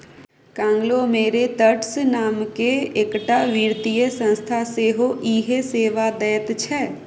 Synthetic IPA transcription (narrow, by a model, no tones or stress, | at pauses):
kãːŋɡlomeːɾet̪əʈsnaːmkeekʈaʋiːɾt̪ijəsə̃nst̪ʰaseːɦoʔiːɦeseːʋad̪ɛːət̪t͡ʃʰɛː